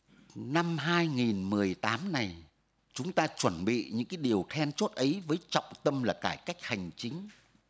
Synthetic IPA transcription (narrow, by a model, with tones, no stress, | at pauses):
na˧mɦaː˧jŋi˨˩nmɨ˨˩əjt̪aː˨˦mna˨˩j | t͡ɕʊ˨˦ŋ͡mt̪aː˧t͡ɕwə˧˩nɓḭ˧˨ɲɨ̰˧˥ŋkaː˨˦jɗi˨˩əwt̪ʰɛ˧nt͡ɕo˦˥t̚ʔə˨˦jvəː˨˦jt͡ɕɔ̰˧˨wŋ͡mt̪ə˧mlaː˨˩kaː˧˩jka˦˥jk̟̚ha˨˩jŋ̟t͡ɕï˨˦ŋ̟